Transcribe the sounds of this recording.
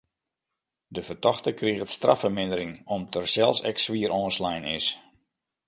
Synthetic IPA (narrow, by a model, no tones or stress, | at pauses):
dəvərtɔxtəkriɣətstra̰fərmɪndəɾɪŋɔmtʰərsɛlˠsɛ̰ksʋiəɾʔɔːnslɛjnɪ̰s